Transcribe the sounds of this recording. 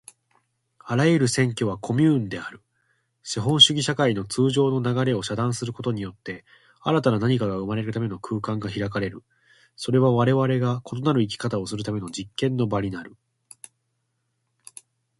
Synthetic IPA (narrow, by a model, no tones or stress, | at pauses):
aɾajɯɾɯ̟sẽ̞ŋkʲo̞βakʰo̞mʲɯːnd̪e̞aɾɯ̟ | ɕiɦõ̞ɰ̃ɕɨɡʲiɕakaino̞t͡sɨːʑo̞ːno̞naɡaɾe̞o̞ɕad̪ãɰ̃sɨɾɯ̟ko̞t̪o̞ɲ̟ijo̞t̪ːe̞ | aɾat̪ananaɲ̟ikaɡaɯ̟maɾe̞ɾɯ̟t̪ame̞no̞kʰɯ̟ːkãŋɡaçiɾakaɾe̞ɾɯ̟ | so̞ɾe̞β̞aβaɾe̞βaɾe̞ɡako̞t̪o̞naɾɯ̟ik̬ʲi̥kat̪ao̞sɨɾɯ̟t̪ame̞no̞d͡ʑikːẽ̞nːo̞baɾʲinaɾɯ̟